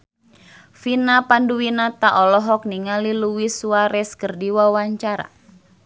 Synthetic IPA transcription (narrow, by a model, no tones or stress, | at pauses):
finapanduwinat̪aʔɔlɔɦɔk̚niŋaliluwisuaɾɛskərdiwawaɲt͡ʃaɾa̰